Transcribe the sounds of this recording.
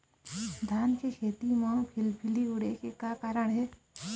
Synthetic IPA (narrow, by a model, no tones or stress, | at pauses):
d̪ʱaːnkekʰeːt̪imãpʰɪlpʰɪliʊɽekekakaːɾəɳɦɛː